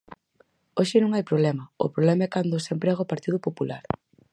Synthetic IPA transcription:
oʃɪnõŋajpɾoβlɛmɐʊ̰pɾoβlɛmɐɛkand̪ʊsempɾɛɣaopaɾt̪iðʊpopulaɾ

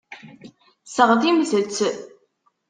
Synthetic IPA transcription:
səʁðimzəlt͡s

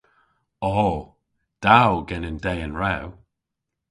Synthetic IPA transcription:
ɔ | d̥awɡɛnəndɛjənɹɛw

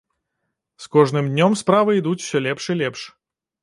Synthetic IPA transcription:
skɔʐnɨmd̪ʲnʲɔmspɾavɨid̪ut͡sʲw̥sʲɔlʲɛpʂilʲɛpʂ

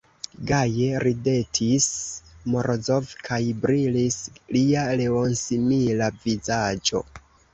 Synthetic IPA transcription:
ɡajeɾide̞tʰismoɾzo̞vkʰajbɾilisliale̞onsimilavizad͡ʒo̞̰

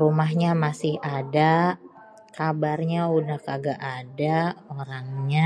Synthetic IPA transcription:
rumaɦɲamasɪhada | kabarɲaunakaɡaʔadaoɾaŋɲa

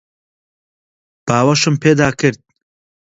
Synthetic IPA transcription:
b̥aːwɐʃɨmpʰeːd̪aːkʰɨɾd̪̚

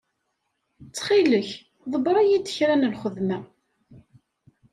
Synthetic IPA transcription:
t͡sːχiləç | ðˤəbɾˤæjid̪əçɾænəlχəðmæ

